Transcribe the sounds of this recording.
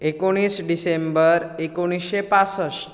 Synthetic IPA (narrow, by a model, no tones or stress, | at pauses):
ekoɽ̃iːsɖisembəɾekoɽ̃isɕepasəs